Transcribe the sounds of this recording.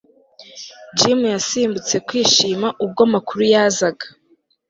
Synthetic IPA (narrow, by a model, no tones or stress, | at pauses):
d͡ʒimujasiːmbut͡se̞kwiːʃiːmaʔub̚ɡamakuɾujazaɡḁ